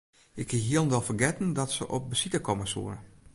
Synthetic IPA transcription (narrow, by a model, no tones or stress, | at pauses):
ɪkʰiɦiəlˠndɛlˠfərɡɛtən̩dɔtsəʔɔp̚bəsitəkʰɔməsṵəɾə